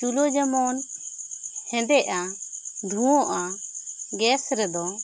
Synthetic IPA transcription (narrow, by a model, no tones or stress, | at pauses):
t͡ʃulɔd͡ʒamɔn | hɛ̃d̪ɛʔaɖʱuwɔ̃ʔa | ɡɛsɾɛd̪ɔ